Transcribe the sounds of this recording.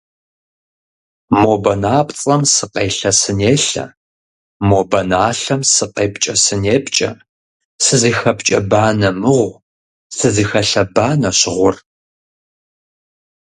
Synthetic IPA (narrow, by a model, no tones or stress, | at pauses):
moːbɐnaːpʼt͡sʼɐmsɨqʼeːɬɐsɨneːɬɐ̰ | moːbɐnaːɬɐmsɨqʼeːpt͡ʃʼɐsɨneːpt͡ʃʼɐ̰ | sɨziːxɐpt͡ʃʼɐ̰baːnɐmɨʁʷ | sɨziːxɐɬɐbaːnɐɕʁʷʊr